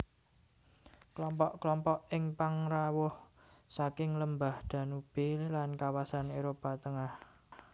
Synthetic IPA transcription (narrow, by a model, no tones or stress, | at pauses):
klɔmpɔʔklɔmpɔʔɪŋpaŋrawʊh | sakɪŋləmbahd̪̥a̤nub̥elankawasaneɾopat̪əŋah